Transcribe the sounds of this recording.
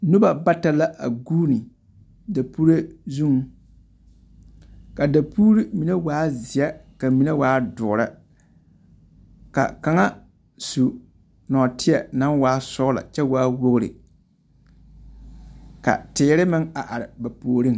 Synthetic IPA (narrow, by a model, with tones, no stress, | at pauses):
nʊ˦ba˨ba˦ta˨la˦ʔa̰˨ɡuː˦ni˨ | da˨pu˦ɾe˦zu˦ŋ | ka˨da˨puː˦ɾi˦mi˨na˦waː˦zɪ˨jɛ˦ka˨mi˨na˦waː˦dʊ˨ɾa˦ | ka̰˨ka˨ŋa˦ | su˨ | nɔ˨tʰɪ˦ɛ˨na˦nwaː˦sɔ˦la̰˨t͡ʃɛ˦waː˦wo˦ɣɾɪ̰˨ | ka̰˨tɪː˨˦ɾɪ˦mɪ˦ŋa˨ʔa˨ɾɪ˨ba˨poː˨ɾi˦ŋ